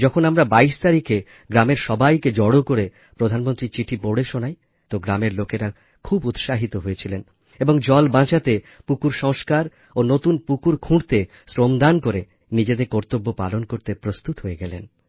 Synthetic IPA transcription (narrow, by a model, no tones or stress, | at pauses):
d͡ʑɔkʰonamɾabaiʃt̪aɾike | ɡɾameɾʃɔbajked͡ʑɔɽokoɾe | pɾod̪ʱanmont̪ɾit͡ɕiʈʰipoɽeʃonaj | t̪oɡɾameɾlokeɾa | kʰubut̪ʃaɦit̪oɦojet͡ɕʰilen | eboŋd͡ʑɔlbãt͡ɕat̪e | pukuɾʃɔŋʃkaɾ | onot̪unpukuɾkʰũɽt̪e | sɾomd̪ankoɾe | nid͡ʑed̪eɾkɔɾt̪obːopa̰lonkoɾt̪epɾost̪ut̪ɦoeɡɛlḛn